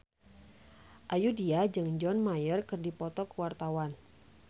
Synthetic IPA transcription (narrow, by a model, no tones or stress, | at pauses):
ʔajudiad͡ʒɨŋd͡ʒɔnmajərkɨrdipɔt̪ɔkwart̪awan